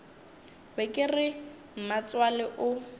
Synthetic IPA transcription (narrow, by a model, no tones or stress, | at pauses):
bɛkʼɪrɪ | m̩mat͡swalɪʔʊ